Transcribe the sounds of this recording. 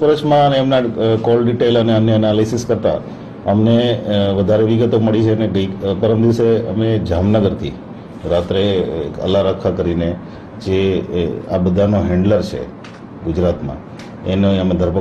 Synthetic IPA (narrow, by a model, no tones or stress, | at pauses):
pəɾət͡ʃʰmãəneəmnakɔlɖiʈeləneənːəənalisiskəɾt̪a̰ | əmneʋəd̪ʱaɾeʋiɡət̪oməɭit͡ʃʰeneɡəjpəɾəmd̪iʋseə̰med͡ʒamnəɡəɾt̪ʰḭ | ɾat̪ɾḛə̰laɾəkʰːakəɾine | d͡ʒe | a̰bəd̪ʱanoɦɛ̃ɳɖləɾt͡ʃʰḛ | ɡud͡ʒɾat̪mã̰ | enoəmẽd̪ʱəɾpə